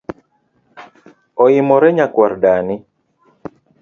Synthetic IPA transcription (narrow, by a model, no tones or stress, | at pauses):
ɔɪmɔɾɛɲakwaɾdanɪ